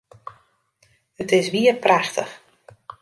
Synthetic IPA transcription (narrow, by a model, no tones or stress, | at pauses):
ətɪsʋiərpraxtʰə̰x